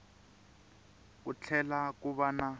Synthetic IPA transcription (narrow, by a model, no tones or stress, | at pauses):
kut͡ɬʰɛlakuβana